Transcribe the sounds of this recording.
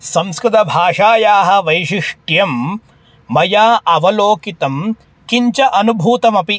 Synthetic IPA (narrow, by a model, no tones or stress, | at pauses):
sɐ̃mskɾɪt̪ɐbʱaːʂaːjaːɦɐ̆ʋɐjʂiʂʈjɐmː | ɐjaːʔɐʋɐloːkit̪ɐm | kiɲt͡ʃɐʔɐnubʱuːt̪ɐmɐpi